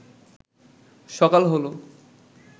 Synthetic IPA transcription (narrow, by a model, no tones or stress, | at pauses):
ʃɔkalɦolo